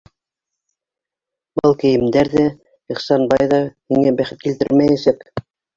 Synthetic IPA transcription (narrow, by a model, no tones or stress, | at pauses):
bɤlˠkɘ̆jɘ̆md̪æɾðæ | iχsɑnbɑjðɑhiŋæbæχɘt̪̚kilt̪ɘ̰ɾmæjæsæk